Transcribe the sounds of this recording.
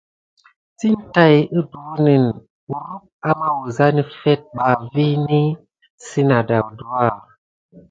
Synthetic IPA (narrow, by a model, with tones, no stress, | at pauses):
ti˦n˦ta˦ji˦du˨˦ni˨n | u˨ɾu˦k̚a˦ma˦wu˨za˦ni˦fɛ˦t̚ba˨vi˦ni˦ | si˦na˨da˨wdu˦a˦˨